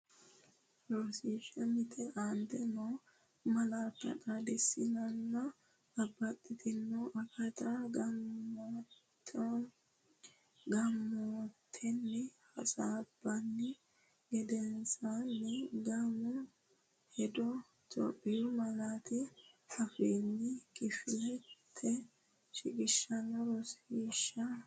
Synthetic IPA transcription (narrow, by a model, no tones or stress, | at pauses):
ɾosiʃɐmɪt̪ʰʼɛʔant̪ɛnoː | mɐlaːt̪ːɐ̰tʼad̪ɛsːɪnɐnːɐ | ɐbːɐt̪ʼːɪt̪ɪnːoʔɐkɐt̪ɐ | ɡɐmːot̪ʰːɛnːɛhɐ̰saːb̥ːɐnːɛ | ɡɛd̪ɛnsanːɛɡɐmʊ | hɛd̪ɔ | t̪ʼɔ̰pʼːɪjʊmɐlaːt̪ɪɐfeːnːɪkʼɪfɪlɛt̪ʰːɛ | ʃɪkʼɪʃːɐnɔɾɔsiːʃːɐ